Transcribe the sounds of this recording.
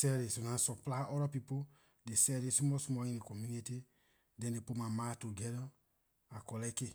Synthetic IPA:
sɛɾesonãsɔplaʔɔɾɔpipo | desɛɾesumɔsumɔjĩnekɔmjuniti | dɛ̃ndepomãmãtoɡɛɾɔ | akɔlɛke

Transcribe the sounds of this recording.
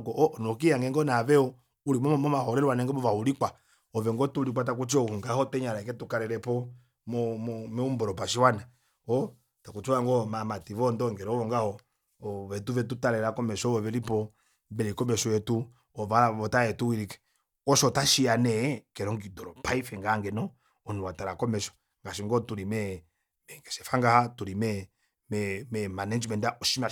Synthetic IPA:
kɔʔɔnɔk̬ijaŋɡɛŋɡɔnavɛɔ | uɾimɔmmɔmahɔɾɛɾwanɛŋɡɔɔvauɾikwa | ɔvɛŋɡɔtuɾikwat̬ak̬ut͡ʃɔhuŋɡahɔtɛɲaɾaɛkɛtukaɾɛɾɛpɔ | mɔmɔmɛumbɔɾɔpaʃiwana | ɔ | takut͡ʃɔaŋɡɔmamativɔndɔŋɡɛɾɔvɔŋɡahɔ | vɛtuvɛtutaɾɛɾakɔmɛʃɔɔvɛlipɔ | bɛɾikɔmɛʃɔwɛtu | ɔvaβɔtaɛtuwiɾikɛ̥ | ɔʃɔtaʃianɛkɛɾɔŋɡidɔɾɔpaifɛŋɡaŋɡɛnɔ | ɔnuwataɾakɔmɛʃɔ̥ | ŋɡaʃiŋɡɔtuɾimɛ | mɛŋɡɛʃɛfaŋɡahatuɾimɛ | mɛmɛmanɛd͡ʒmɛndaʔɔʃima

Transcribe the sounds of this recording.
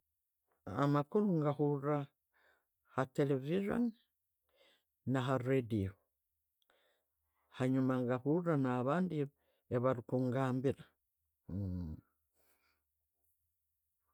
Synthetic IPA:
a̰makuɾuŋɡahuɾa | hateleviʒo̰n | aɦaredio | haɲumaŋɡahuɾanaːβaːndi | eβaɾikuŋɡaːmbiɾa

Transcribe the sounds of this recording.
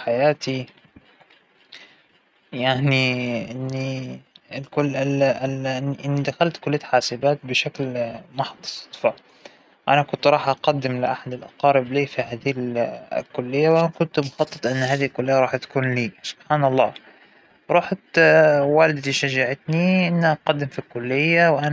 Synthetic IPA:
ħajaːt̪i | jaʕniʔɪnːi | lkʊlɪ | ɪnːʔɪnːid̪axalt̪kʊlːɪjːat̪ħaːsɪbaːt̪̚bɪʃaklmʊħd̪ˤɑ̥sˤt̪ˤfɑʕ | ʔanakʊnt̪ɾˤɑːħʔɑqad̪ːɪmlɪ̰ʔaħad̪ɪlʔɑ̰qɑːɾɪbliːfihaːd̪il̰lkʊlːɪjːawʔanakʊnt̪mʊxɑt̪ˤːɨt̪ˤʔɪnːhaːðihilkʊlːɪjːaɾˤɑːħt̪ḁkuːnliːsʊ̥b̥ħaːnɑlˤːɑ̰ː | ɾˤuːħt̪waːlɪd̪t̪iʃad͡ʒaʕɪt̪niʔɪnːaqɑd̪ːɪmfilkʊlːɪjːawʔan

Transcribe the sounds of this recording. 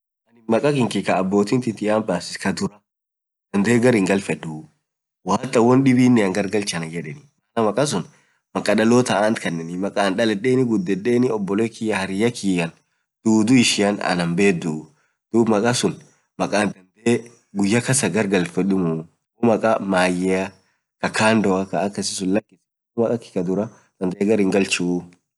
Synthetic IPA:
ɐnɪnmɐkʼɐkɪŋkɪkɐːbːoːt̪ɪnt̪ɪt̪ɪaːnbaːsɪ̥skɐd̪ʊɾɐ | d̪̥ɐnd̪e̞ːɡɐɾɪŋɡɐlfɛdu | waːt̪ːɐwɔnɗɪbiːnːɪɐŋɡɐɾɡɐlt͡ʃɐnɐd͡ʒɛᶑɛnɪmɐnɐmɐkʼɐs̬ʊn | mɐkʼɐɗɐloːt̪ɐʔant̪kʰɐnːɛnɪmɐkʼaːnɗɐlɛɗeːnɪɡʊd̪ːɛᶑeːnɪɔbːɔleːkijɐhɐɾɪjɐkʰiːjɐn | d̪̥uːd̪ʊɪʃɪɐnɐ̰nɐmbeːd̪u | d̪̥uːbmɐkʼɐsʊn | mɐkʼaːnd̪ɐnd̪e | ɡʊjːɐkɐsɐɡɐɾɡɐlfɛᶑɪmʊ | ɔmɐkʼɐmaːjɛɐ | kɐkʰaːnd̪ɔɐkɐːkːɐsɪsʊnlɐkʼːɪs | mɐkʼɐkːɪ̥kɐd̪ʊɾɐ | sɐnt̪ɐʔɛɡɐɾɪŋɡɐlt͡ʃu

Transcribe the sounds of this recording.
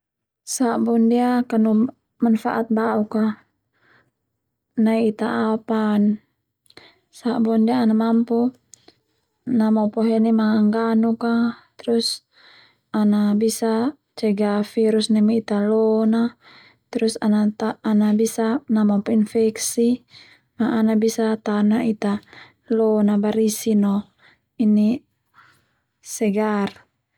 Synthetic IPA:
sabɔndiakanu | manfa̰ʔat̪̚bauka | naiit̪aʔapan | sabɔndiaːnamampu | namɔpɔɦɛnimaaŋɡanukat̪ɾus | anabisa | t͡ʃɛɡafiɾusnɛmiit̪alɔna | t̪ɾusanat̪aːnabisanamɔpɔinfɛksi | maʔːnabisat̪anait̪a | lɔnabaɾisinɔ | ini | sɛɡar

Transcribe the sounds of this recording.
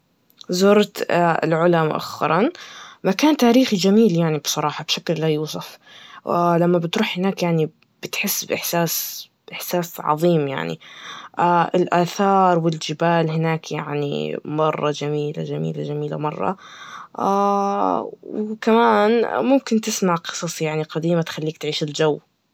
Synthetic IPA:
zʊɾˤt̪ɪ̰lʕʊlamʊ̰ʔa̰xːɑ̰ɾˤɑnmakaːnt̪aːɾiːxid͡ʒamiːljaʕnibsˤɑɾˤɑːħɑbʃaklːajuːs̬ˤʊf | lamːabɪt̪ɾuːħhɪnaːkjaʕni | b̥ɪt̪ħɪsːbʔɪħsaːs | ʔɪħsaːsʕɑ̰ðˤiːmja̰ʕnḭʔaʔɪlʔaːθɑːɾˤwɪld͡ʒɪbaːlhɪnaːkjaʕnḭmɑrˤːɑd͡ʒamiːla̰d͡ʒamḭːlad͡ʒamiːla̰mɑrˤːɑ̰ | a | wkamaːnmʊmkɪnt̪ɪsmaʕqɨ̥sˤɑsˤjaʕniqad̪iːmat̪xalːiːk̚t̪ʕiːʃɪld͡ʒawː

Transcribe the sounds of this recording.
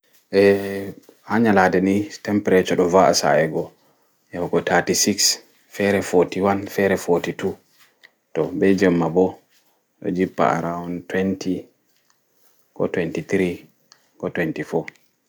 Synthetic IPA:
ʔɛ | haɲaladɛnitɛmpɛɾɛt͡ʃɔɗɔvaʔa̰sa̰ɛɡɔ | jawɡɔtʰatisiks | fɛɾɛfɔtiwanfɛɾɛfɔtitu | tɔbɛd͡ʒɛmːabɔ | ɗɔ̰d͡ʒipːa̰a̰ɾawntwɛntʰi | kɔ̰twɛntit̪ɾi | kɔtwɛntifɔ

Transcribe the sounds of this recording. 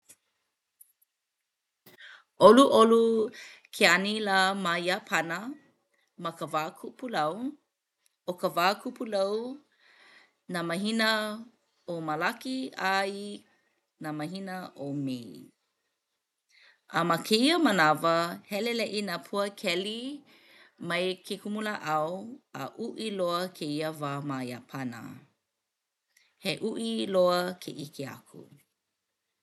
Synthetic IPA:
ʔoluʔolukʰeɐnilamajapʰɐnə | mɐkəvaːkʰupulɐw | okəvaːkʰupulɐw | naːmɐɦinə | omalakiai | namɐɦinəʔomej | ʔamɐkʰeiəmənavəhɛlelɛʔinapʰuəkʰɛli | mɐjkʰekumuləʔawəʔuʔiloəkʰeiəvamajapʰanə̰ | heʔuʔiloəkʰeʔikʰea̰kʰṵ

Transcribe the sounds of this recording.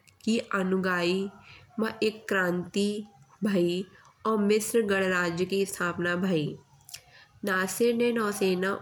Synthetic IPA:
kiʔɐnʊɡaːimɐʔekːɾãːnt̪ibʱaːi | ɔːɾmɪsɾɡəɽ̃ɾaːd͡ʒjəkist̪ʰaːpnabʱaːi | naːsɪɾnenɔːseːna

